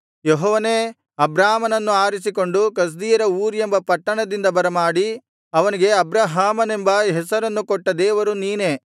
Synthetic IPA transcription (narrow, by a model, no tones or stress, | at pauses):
jeɦɔːʋɐneː | ɐbɾaːmɐnɐnːuaːɾis̬iko̞ɳɖukɐs̬d̪iːjɐɾɐuːɾiembɐpɐʈːɐɳɐd̪ind̪ɐbɐɾɐmaːɽi | ɐʋɐniɡe̞ɐbɾaːɦaːmɐne̞mbɐɦɛsɐɾɐnːukoʈːɐd̪ɛːʋɐɾuniːne